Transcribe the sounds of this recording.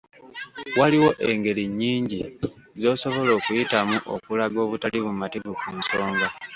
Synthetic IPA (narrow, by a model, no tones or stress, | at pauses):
waliwo̞ʔe̞ŋɡe̞ɾiɲːiːɲɟizo̞ːso̞βo̞lo̞ːkujitamuʔo̰kulaɡo̞ːβutaliβumativukuːnso̞ːŋɡa